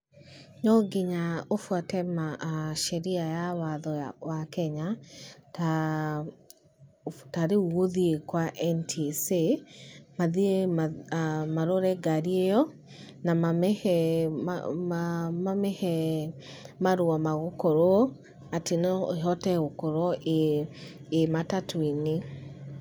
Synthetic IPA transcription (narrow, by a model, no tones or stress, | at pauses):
ɲɔɡeɲaofwatɛmaʃɛɾiajawaðɔwakɛɲata | taɾeuoðiekwaʔɛntʰise | maðiemamaɾoɾɛɡaɾiejɔ | namamɛɛ̰ | mamɛhɛ | maɾoamaɣokoɾo | ateneɦɔtɛɣokoɾɔʔeː | matatʰwine